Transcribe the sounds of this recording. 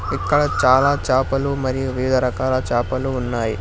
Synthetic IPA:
ikːɐɽɐt͡ʃaːlaːt͡ʃaːpɐlumɐɾijuʋiʋd̪ʱɐɾɐkaːlɐt͡ʃaːpɐluːnːaːji

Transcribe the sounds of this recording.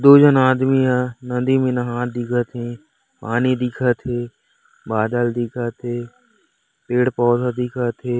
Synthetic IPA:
d̪oːd͡ʒənaːd̪mianɐnd̪imẽnə̃ɦãːt̪̚ʰd̪ɪkʰət̪ʰẽ | paːnid̪ɪkʰat̪ʰeː | baːd̪əld̪ɪkʰat̪ʰeː | peːɽpɔːt̪ʰad̪ɪkʰat̪ʰeː

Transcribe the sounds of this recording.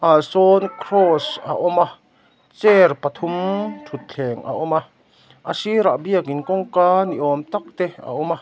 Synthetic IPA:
ʔasɔnkʰrɔsa̰ʔɔma | t͡sɛrpɐt̪ʰumt̪ʰut̪̚t͡ɬʰɛːŋʔa̰ʔɔma | ʔasiɾaʔbiəkinkɔŋkaːniʔɔːmt̪ak̚t̪ea̰ʔuma

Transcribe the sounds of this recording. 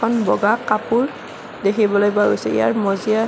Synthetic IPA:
ɔnbɔɡakapul | dekʰibɔlojbaɡo̰jsɛ̰ḭa̰ɹmɔzia

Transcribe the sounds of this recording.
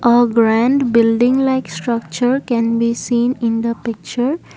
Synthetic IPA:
ʔəɡɾæ̃ɳɖbɪlɖɪ̃ŋlaɪksʈɾʌk̚t͡ʃəɾkɛ̃nbisĩːnɪ̃nd̪əpɪk̚t͡ʃəɾ

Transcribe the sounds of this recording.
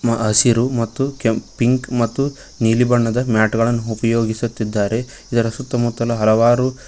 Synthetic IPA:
ɐsiɾumɐt̪ːukepiŋkmɐt̪ːu | niːlibɐɳːɐd̪ɐmjaːʈɡɐɭɐnːuːpɐjo̞ːɡisut̪ːid̪ːaːɾe̞ | id̪ɐɾɐsut̪ːɐmut̪ːɐlɐɦɐlɐʋaːɾu

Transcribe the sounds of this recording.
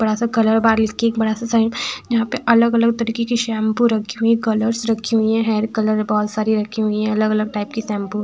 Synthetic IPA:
bɐɽasakɐləɾbaːɾlɪkʰieːkbɐɽasasaɪd͡ʒɐɦãpeʔɐləɡɐləɡ̚t̪ɐɾiːkekiʃɛ̃ːmpuɾɐkʰːiɦʊikɐləɾsɾɐkʰiɦʊiɦɛ̃ɦɛːɾkɐləɾbɔɦt̪saːɾiɾɐkʰːiɦʊiɦɛ̃ɐləɡɐləɡ̚ʈaɪp̚kisɛ̃ːmpu

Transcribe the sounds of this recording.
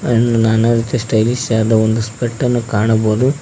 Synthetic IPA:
enːunaːnɐɾit͡ʃ̪esʈɐjlisaːd̪ɐond̪uspeʈːɐnːukaːɳɐboːd̪u

